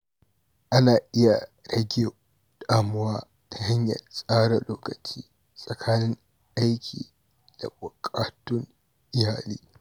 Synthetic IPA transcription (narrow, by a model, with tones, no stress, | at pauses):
ʔa˦naː˨ʔɪ˦ja˨ɽɐ˦ɡʲeː˨ | d̥aː˨mʊ˦waː˦ | tʰa˨ha˦ɲjɐ̰˨sʼaː˦ɽa˨loː˦kɐ˨t͡ʃiː˦ | sʼɐ˨kʰaː˦nɪ˦ŋ | ʔa˦jkʲʰḭː˨ | d̥a̰˨bʊ˨kʼaː˦tʊ˦ŋ | ʔɪ˦haː˨liː˦